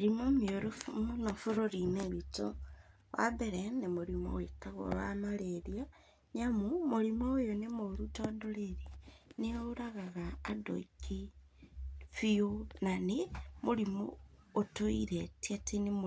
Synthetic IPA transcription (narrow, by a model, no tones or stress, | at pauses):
ɾimomioɾofumunofuɾoɾineβito | wʔa̰beɾenemoɾimo̰wekaɣo̰βamaleɾja | ɲamumoɾimoojonemoɾutodoleɾineouɾaɣaɣaːdo̰iki | fionanemoɾimo̰ːtoiɾetiatinim